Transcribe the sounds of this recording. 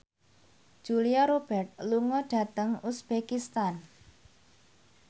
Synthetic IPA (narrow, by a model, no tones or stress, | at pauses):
ʒ̥uliaɾob̥ɛrt̪̚luŋɔɖ̥ä̤t̪əŋusb̥ekist̪an